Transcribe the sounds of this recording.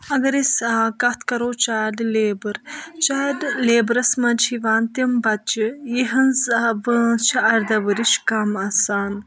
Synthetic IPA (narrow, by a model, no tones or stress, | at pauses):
ɐɡɐɾiskɐt̪ʰkɐɾoːt͡ʃaːɖleːbɨɾt͡ʃaːɖleːbɾɐsmɐnt͡ʃʰiʋaːnt̪imbɐt̪t͡ʃijiɦɐnzʋət͡ʃʰiɐɾd̪ɐʋɨɾiʃkɐmɐsaːn